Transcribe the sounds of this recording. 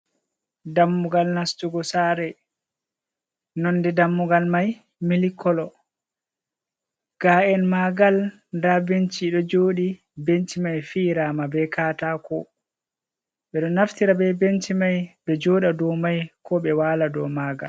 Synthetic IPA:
damːuɡalnastuɡɔsaɾɛ | nɔndɛdamːuɡalmaj | milikʰːɔlɔ | ɡ̥aɛnmaɡal | ndabent͡ʃiɗɔd͡ʒoːɗi | bent͡ʃimajfiːɾamabɛkaːtakɔ | ɓɛɗɔnaftiɾabɛbentimajbɛd͡ʒɔːɗadɔmajkʰɔɓɛwaːladɔmaɡa̰l

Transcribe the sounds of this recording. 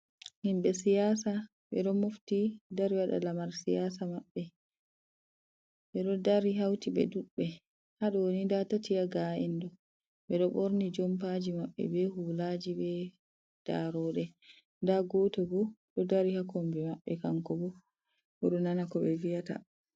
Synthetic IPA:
himɓɛsijasa | ɓɛɗɔmoftidaɾiwaɗa̰lamaɾsijasamaɓːɛ | ɓɛɗɔdaɾiɦawtiɓɛ̰duɓːɛ | haɗɔwonindatatijaɡaʔɛndɔ | ɓɛɗɔɓoɾnid͡ʒɔmpad͡ʒimaɓːɛ̰bɛhulad͡ʒibɛ | d̥a̰ɾɔɗɛ | ndaɡɔtɛbɔɗɔdaɾihakɔmbɛmaɓːɛkaŋkɔbɔ | bɔɗɔnanakɔɓɛvijata̰

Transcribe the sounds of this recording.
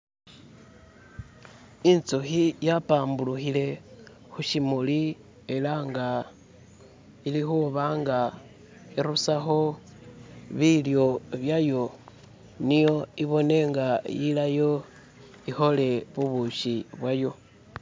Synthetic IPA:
int͡soxijapaːmbuluxile̞ | xuʃimuli | e̞laŋɡa | ilixuβaŋɡa | iɾusaxo̞ | βiljo̞βjajo̞ | nijo̞iβo̞ne̞ŋɡajilajo̞ | ixo̞le̞βuβuʃiβwajo̞

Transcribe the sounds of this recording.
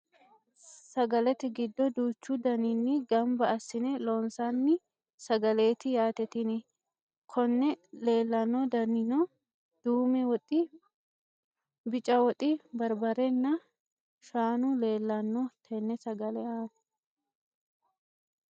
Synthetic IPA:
sɐɡɐlɛt̪ɛɡɪd̪ːɔd̪uːt͡ʃːud̪ɐnɪnːɪɡɐmbɐɐsːɪnɛloːnsanːɪ | sɐɡɐle̞ːt̪ɪjaːt̪ɛt̪ɪnɪ | kʰɔnːɛle̞ːlːɐnːɔd̪ɐnɪnɔ | d̪̥uːmɛwɔt̪ʼːɪ | bɪt͡ʃʼɐwɔt̪ʼɪbɐɾbɐɾɛnːɐ | ʃaːnʊle̞ːlːɐnːɔt̪ʰɛnːɛsɐɡɐlɛaː

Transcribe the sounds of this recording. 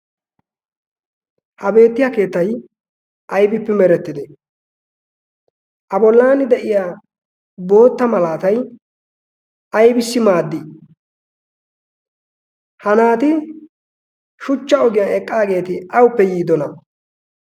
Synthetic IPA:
hɐbe̞ːt̪ːɪjake̞ːt̪ːɐj | ʔɐjbɪpːɛmɛɾɛt̪ːɪd̪ɛ | ʔɐbɔlːaːnɪd̪ɛʔɪjaː | bo̞ːt̪ːɐmɐlaːt̪ɐj | ɐjbɪsːɪmaːd̪ːɪ | hɐnaːt̪ɪ | ʃʊt͡ʃːɐɔɡɪjaɛkʼːaːɡe̞ːt̪ɪɐwʊpːɛjiːd̪ɔnɐ

